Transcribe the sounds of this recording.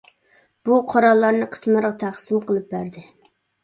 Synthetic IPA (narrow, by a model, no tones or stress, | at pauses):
b̥uqʰoɾɑlˠːɑɾnɨqʰə̥smɨɾʁɑt̪ʰæχsimqʰəlˠɨp̚bæɾd̪ɪ